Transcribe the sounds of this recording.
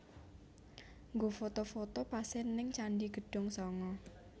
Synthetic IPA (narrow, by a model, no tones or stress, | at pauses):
ŋɡofot̪ofot̪opasɛnːɪŋt͡ʃaɳɖiɡ̥ə̤ɖ̥ʊ̤ŋsɔŋɔ